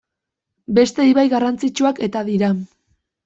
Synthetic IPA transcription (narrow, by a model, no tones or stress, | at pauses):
be̞st̪e̞iβajɣarant͡sit͡ʃuake̞t̪aðiɾa